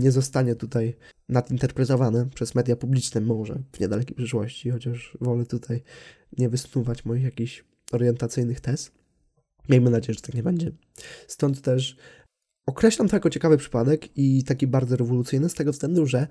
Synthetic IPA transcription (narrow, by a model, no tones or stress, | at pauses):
ɲɛzɔst̪aɲɛt̪ut̪ajnad̪int̪ɛɾpɾɛt̪ɔvanɛpʂɛzmɛd̪japublʲit͡ʂnɛmɔʐɛ̰vɲɛd̪alɛkʲejpʂɘʂwɔɕt͡ɕixɔt͡ɕaʂvɔlɛt̪ut̪ʰaj | ɲɛvɘsnuvat͡ɕmɔjixjakʲiɕ | ɔɾjɛnt̪at̪sɘjnɘxt̪ɛst̪ | mʲjejmɘnad͡ʑejɛʐɛt̪ḁkɲɛbɛɲd͡ʑɛ | st̪ɔnt̪ːɛʂ | ɔkɾɛɕlamt̪ɔjkɔt͡ɕɛkavɘpʂɘ̥pad̪ɛkit̪akʲibaɾd̪zɔɾɛvɔlut̪sɘjnɘst̪ɛɡɔfst̪ɛnd̪uʐɛ